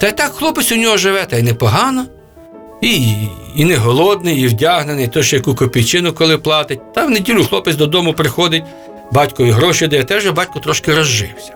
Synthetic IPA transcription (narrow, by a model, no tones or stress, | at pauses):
t̪ɐjt̪ɑkxlˠɔpɪsʲʊnʲɔɦɔʒɪʋɛt̪ɐjnɛpɔɦɑnɔ | iinɪɦɔlˠɔd̪̚nɪjiwdʲaɦnenɪjt̪ɔʃjɐkukɔpʲijt͡ʃɪnʊkɔlˠɪplˠɑt̪ɪt̚ʲt̪ɐwnedʲilʲʊxlˠɔpɪsʲd̪ɔd̪ɔmʊpɾɪxɔd̪ɪtʲ | bɑtʲkɔʋʲiɦɾɔʃid̪ɐjɐt̪ɛʒɛbɑtʲkʊt̪ɾɔʃkɪɾɔzʒɪ̰wsʲɐ̥